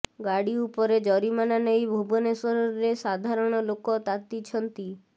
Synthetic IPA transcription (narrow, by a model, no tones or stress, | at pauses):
ɡaɽiupɔɾed͡ʒɔɾimananejbʱubɔnesɔɾɔːesad̪ʱaɾɔɽ̃ɔlokɔt̪at̪it͡ʃʰɔnt̪i